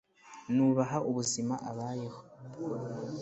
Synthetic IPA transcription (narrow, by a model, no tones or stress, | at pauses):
nuːβaɦaʔuβuzimaʔaβaːjeho